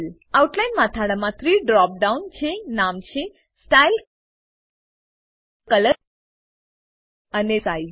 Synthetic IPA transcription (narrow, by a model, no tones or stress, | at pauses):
l | auʈlajnmãt̪ʰaɽamãt̪ʰɾiɖɾɔp̚ɖaunt͡ʃʰenamt͡ʃʰe | sʈail | kələ | ənesai